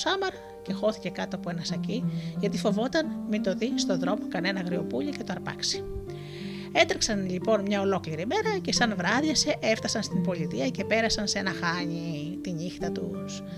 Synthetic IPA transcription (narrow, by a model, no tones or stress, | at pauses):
sɐmɐɾɐ | ce̞xo̞θi̥ce̞kɐt̪o̞ɐpoe̞nɐsɐciʝɐt̪ifo̞vo̞t̪ɐnmit̪o̞ðist̪o̞ðɾo̞mo̞kɐne̞nɐɣɾio̞puʎice̞t̪oɐɾpɐ̰ksi̥ | e̞t̪ɾiksɐnʎipo̞nmɲɐo̞lo̞kliɾime̞ɾɐce̞sɐnvɾɐðjɐse̞ʔeft̪ɐsɐnst̪imbo̞ʎit̪iɐce̞pe̞ɾɐsɐnse̞nɐxɐɲi | t̪iɲixt̪ɐt̪ṵs